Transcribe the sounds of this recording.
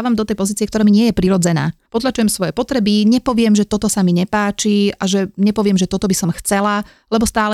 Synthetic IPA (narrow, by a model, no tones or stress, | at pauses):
ʋamd̪ɔt̪ɛjpɔziːt͡siɛkt̪ɔɾaːmiɲɪɛjɛpɾiɾɔd͡zɛna̰ːpɔt̪lat͡ʃujɛmsʋɔjɛpɔt̪ɾɛbiɲɛpɔʋɪɛmʒɛt̪ɔt̪ɔsamiɲɛpaːt͡ʃiaʒɛɲɛpɔʋɪɛmʒɛt̪ɔt̪ɔbisɔmxt͡sɛla | lɛbɔst̪aːlɛ